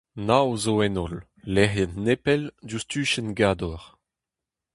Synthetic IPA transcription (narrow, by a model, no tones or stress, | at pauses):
nawzoɛnɔlː | ɛʁjannepɛldust̪yːʃɛnɡaːd̪ɔʁ